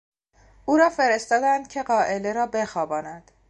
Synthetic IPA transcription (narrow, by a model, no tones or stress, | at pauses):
uːɾɒːfe̞ɾe̞st̪ɒːd̪ænd̪̥̚cʲʰe̞ɢɒːʔe̞le̞ɾɒːbexɒːbɒːnæd̪̥